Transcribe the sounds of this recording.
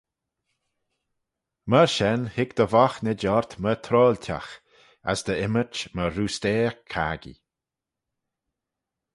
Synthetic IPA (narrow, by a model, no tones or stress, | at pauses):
məɹʃɛnhɪkd̪əvɔxnəd͡ʒɔɹt̪mət̪ʰɾɔːlʲtʰa̰x | a̰sd̪əɪmət͡ʃməɾuːstɛːɹkʰaɡḭ